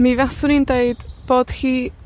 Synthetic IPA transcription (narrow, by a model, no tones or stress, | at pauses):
mivasʊɾindeɨd̥b̥oːd̥χiː